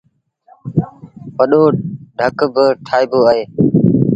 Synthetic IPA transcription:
pəɗoːɖʱəkbɪʈʰaːiːboːaːɦeː

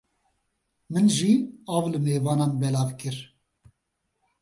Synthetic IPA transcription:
mɨnʒiɑːvlɨmeːvɑːnɑmbɛlɑːvkɨɾ

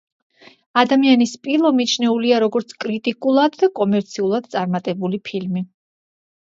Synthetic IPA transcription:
ad̪amianispʼilˠɔmit͡ʃʰnɛuliaɾɔɡɔɾt̪sʰkʼɾit̪ʼikʼulˠad̪ːakʼɔmɛɾt̪sʰiulˠad̪̥̚t̪sʼaɾmat̪ʼɛbulipʰilmi

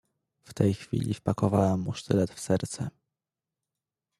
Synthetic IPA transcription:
ft̪ɛjxfʲḭlʲifpakɔvawɛmːuʂt̪ɘlɛt̪fsɛɾt̪sɛ

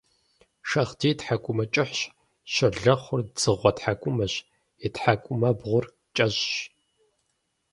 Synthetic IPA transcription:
ʃɐχdiːtħakʷʼʊmɐt͡ʃʼɪħɕ | ɕɐɮɐχʷʊrd͡zɨʁʷɔtħakʷʼʊmɐɕ | ɪtħakʷʼʊmɐbʁʷʊr | t͡ʃʼɐʑɕ

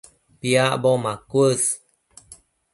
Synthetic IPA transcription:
piabomakuəs

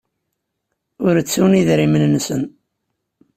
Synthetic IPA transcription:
ʊɾət͡sːuniðɾimənnsən

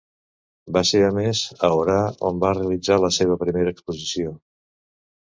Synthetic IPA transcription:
baseɾəmezəoɾao̰mbareəlid͡zaləseβ̞əpɾimeɾəːkspuzisio

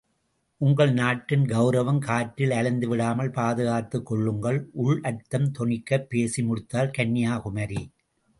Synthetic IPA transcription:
ʔʊŋɡɐɭnaːʈːɪnɡɐʊɾɐʋɐmkaːʈːɪlɐlɪnd̪ɯʋɪɽaːmɐlpaːðɯɣaːt̪ːɯkːɔɭːɯŋɡɐɭʔʊɭʔɐt̪ːɐmt̪ɔɳɪkːɐpːeːsimʊɽɯt̪ːaːlkɐnːɪjaːkʊmɐɾi

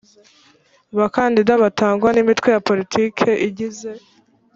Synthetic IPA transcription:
βakandidaβataːŋɡwanimitwe̞japo̞litʰiːkʰe̞ʔiɟize̞

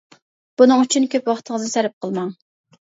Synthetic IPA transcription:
b̥unɨŋyt͡ʃʰynkʲʰøpwɑχt̪ʰəŋəzɨsæɾɪp̚qʰəlˠmɑŋ

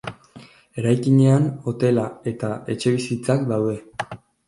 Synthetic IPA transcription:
e̞ɾajkiɲe̞ano̞t̪e̞lae̞t̪ae̞t͡ʃe̞βisit͡sakd̪awðe̞

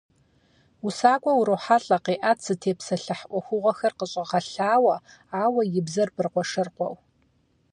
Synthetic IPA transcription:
usaːkʷʼɔwuɾowħaɬʼɐqiːʔatsɨtʰeːpsɐɬɐħʔʷɔxʷʊʁʷɐxɐrqəɕʼɪʁɐɬaːwɐ | aːwɐjɪbzɐrpɨrqʷɔʂɐrqʷɔ̰w

